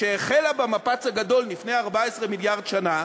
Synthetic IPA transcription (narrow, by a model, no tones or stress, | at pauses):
ʃeeχelabamapat͡shaɡado̞lnifnejaʁbaesʁemiljaʁdʃana